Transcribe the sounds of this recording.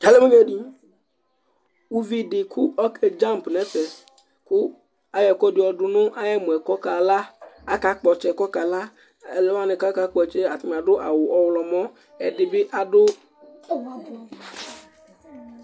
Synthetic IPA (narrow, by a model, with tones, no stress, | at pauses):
d͡ʒa˨˦lɛ˦me˦ɲɛ˦ɖi˦ | u˦vi˦˨dɪ˨kʰʊ˦ɔ˦kʰɛ˦d͡ʒa˦m˨pnɛ˦t̪ɛ˨ | kʊ˦ | a˨jɛ˨kɔ˦dɪ˨ɔ˨dʊ˨nʊ̃˦ʔa˨jɛ˦mũ˨ɛ˨kɔ˦ka˨la˦a˦ka˨k͡pɔ˨t͡ʃɛ˨kɔ˦ka˨la˦ | ɛ˨lɛ˦wa˦nɪ˨ka˦ka˦k͡pɔ˦˨t͡ʃɛ˦a˨t̪i˦m˨a˨dʊ˦ʔa̰˨wʊ˨ʔɔ˨wlɔ˨mɔ̃˦ | ɛ˨dɪ˨bɪ˦ʔa˨dʊ˦